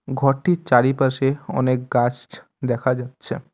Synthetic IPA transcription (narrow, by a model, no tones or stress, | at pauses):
ɡʱɔʈːit͡ʃaɾipəɾʃeɔ̰nek̚ɡat͡ʃ | d̪ɛkʰad͡ʒat̪ːɕʰḛ